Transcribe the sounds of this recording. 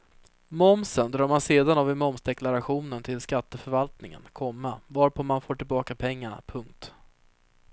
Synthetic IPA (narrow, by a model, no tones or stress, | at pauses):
mɔmsənd̪ɾɑːɾmanseːd̪anavɪmɔmsd̪ɛklaɾaɧuːnənt̪ʰɪlskat̪ːəfœɾvalt̪nɪŋə̰nkʰɔmːavaɾpʰɔmanfoːʈɪlbɑːkapʰɛŋːana̰pʰɵŋk̚t̪